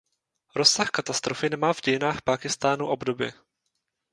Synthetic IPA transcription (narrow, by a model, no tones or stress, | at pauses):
ɾosːaxkat̪ast̪ɾofɪnɛmaːvɟɛjɪnaːxpaːkɪst̪aːnuʔo̞bdo̞bjɪ̰